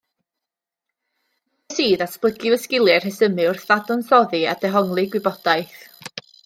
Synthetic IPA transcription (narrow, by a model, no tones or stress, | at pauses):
siːðasplˠəɡɨvəskɪlˠjɛr̥hɛsəmɨʊrθvadʊnθɔðɨa̰d̥ɛɦɔŋlˠɨɡwɪbɔd̥aɨθ